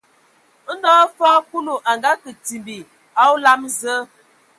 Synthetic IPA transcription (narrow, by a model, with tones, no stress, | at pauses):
n̩˦dɔ˦faː˦ku˦lu˨ʔa˨ŋɡa˦kə˨ti˨mbi˨ | a˦u˦la˦mzə˦